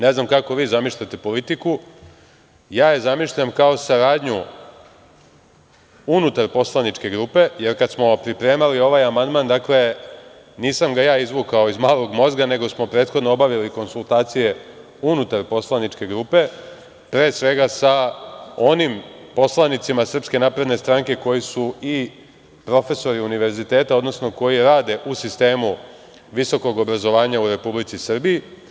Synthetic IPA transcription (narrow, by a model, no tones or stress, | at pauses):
ne̞znamkako̞ʋiːzamiʃʎat̪e̞po̞lit̪iku | jaːjezamiʃʎamkao̞saɾaːd̪ɲu | unut̪aɾpo̞slˠanit͡ʃke̞ɡɾuːpe̞je̞ɾkad̪smo̞pɾipɾe̞ːmalio̞ʋajamand̪mand̪akle̞ | niːsamɡajaːizʋukao̞izmaːlo̞ɡmo̞zɡaneɡo̞smo̞pɾe̞ːt̪xod̪noobaʋiliko̞nsulˠt̪aːt̪sije̞ | unut̪aɾpo̞slˠanit͡ʂke̞ɡɾupe̞ | pɾeːsʋe̞ɡasao̞nimpo̞slˠanit̪simasr̩pske̞naːpɾe̞d̪ne̞st̪ɾaŋke̞ko̞jisui | pɾo̞fe̞so̞ɾiuniʋe̞ɾzit̪e̞ːt̪ao̞d̪no̞sno̞ko̞jiɾaːd̪e̞ʔusist̪e̞ːmu | ʋiso̞ko̞ɡo̞bɾazo̞ʋaːɲauɾe̞publit̪sisr̩biji